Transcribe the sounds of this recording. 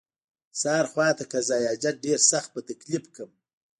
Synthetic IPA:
sɑːɾxwɑːt̪akazɑjɑːd͡ʒaɖeɾsaxt̪̚pət̪aklipkʰəm

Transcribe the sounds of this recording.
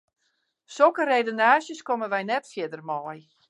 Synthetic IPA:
sokərejdonaːsjəskoməʋɛjnɛtfjɪdərmɔːj

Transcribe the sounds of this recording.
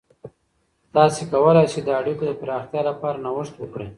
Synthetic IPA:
t̪ɑsekawəlajsed̪əaɽikod̪əpɾɑxt̪jɑlapɑɾanawəʂt̪wəkɽe

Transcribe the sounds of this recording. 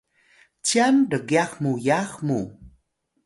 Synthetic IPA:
t͡ɕandəɡjaχmujaχmu

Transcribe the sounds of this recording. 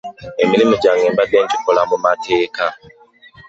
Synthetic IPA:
e̞milimoɟaŋeːmbadeːɲci̥kolamumatʰeːka

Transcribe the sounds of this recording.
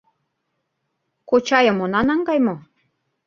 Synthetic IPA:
kot͡ɕɑjɤ̆monɑnɑŋɡɑjmo

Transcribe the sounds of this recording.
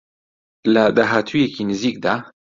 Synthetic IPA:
lɐd̪aːɦaːt̪ʰuːjekʰinɨziːk̚d̪aː

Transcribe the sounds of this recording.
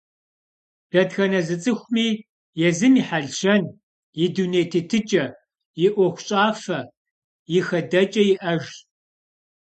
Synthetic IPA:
d̥ɐdxɐnɐzɨt͡sʼɨxʷmiː | jɛzɨmiːħaɮʃɐn | jɪdunejtʰetʰɨt͡ʃʼɐ | jɪʔʷɔxʷɕʼaːfɐ | jɪxɐdɐt͡ʃʼɐjɪʔɐʒ

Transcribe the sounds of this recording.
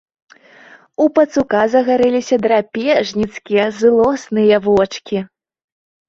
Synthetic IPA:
upɐt̪sukazɐɣaɾɛlʲisʲɐd̪ɾapʲɛʐnʲit̪skʲijɐzɨlˠɔsnɨjɐvɔt͡ʂkʲi

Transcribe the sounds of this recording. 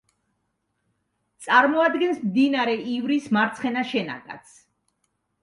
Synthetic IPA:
t̪sʼaɾmɔad̪ɡɛnsmd̪inaɾɛʔivɾismaɾt̪sʰχɛnaʃɛna̰kʼa̰t̪sʰ

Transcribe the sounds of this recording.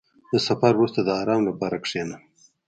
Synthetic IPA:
d̪əsafaɾwɾust̪ad̪əɑːɾɑːmlapɑɾakʂena

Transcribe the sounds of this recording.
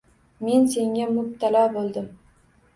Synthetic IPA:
me̞nse̞ŋʲamʊb̚t̪ʰalɒbolˠd̪ɪm

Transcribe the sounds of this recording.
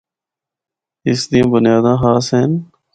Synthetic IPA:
ɪsd̪ĩːbʊnjaːd̪ãːɦaːseːn

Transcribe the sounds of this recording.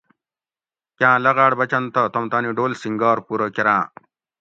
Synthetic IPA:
kãːlɐɡaːɽbɐt͡ɕɐnt̪ɐt̪ɐmt̪aːniɖoːlsiŋɡaːɾpuːɾokeɾãː

